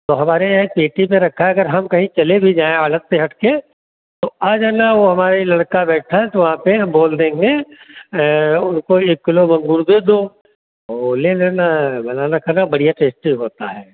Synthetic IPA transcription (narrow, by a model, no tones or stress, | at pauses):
t̪oɦɐmaːɾepeːʈipeɾɐkʰaɛɐɡəɾɦɐmkɐɦĩt͡ʃɐlebʱid͡ʒaːẽaːlət̪seɦɐʈʰke | t̪oaːd͡ʒanaʋoɦɐmaːɾailɐɽkabɛːʈʰaɦɛt̪oʋɐɦãpeɦboːld̪ẽːŋɡe | ʊnkoeːkːɪlomɐ̃ŋɡuɾd̪eːd̪o | oleːleːnabɐnaːnakɐɾnabɐɽijaʈeːsʈiɦoːt̪aɦɛː